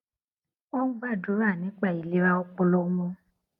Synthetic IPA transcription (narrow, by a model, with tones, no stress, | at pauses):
ɔ˦ŋũ˦ba˦˨do˨˦a˦˨nĩ˨˦k͡pa˨i˨le˦wa˦o˦k͡pɔ˧lɔ˦u˦mɔ̃˦